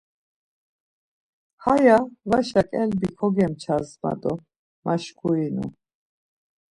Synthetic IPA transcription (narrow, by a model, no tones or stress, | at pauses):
hajavaʃakʼɛlbikʰɔɡɛmt͡ʃʰazma̰d̪ɔ | maʃkʰuinṵ